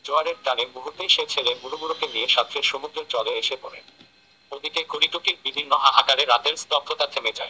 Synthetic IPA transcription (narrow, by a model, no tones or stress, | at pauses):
d͡ʑoaɾeɾtaɾebuɦut̪eʃet͡ɕʰelebuɾuɡuɾokenieʃat̪ʰːɾeɾʃomud̪ɾeɾt͡ɕɔleeʃepoɾḛ | od̪ʱikekoɾiʈukik̚bibʱinːoʔaʔakaɾeɾːat̪eɾst̪ɔt̪ʰːot̪at̪ʰemed͡ʑae